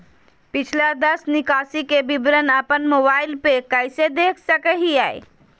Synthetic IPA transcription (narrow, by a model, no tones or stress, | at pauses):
pɪt͡ʃʰlad̪ɐsnɪkaːsikebɪbɾənɐpənmoːbaːɪlpekəɪsed̪eːkʰsəkəɦiaːḛː